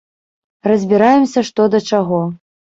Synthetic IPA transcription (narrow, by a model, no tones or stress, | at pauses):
rɐzʲbʲiɾajɛmsʲɐʂt̪ɔd̪ɐt͡ʂaɣɔ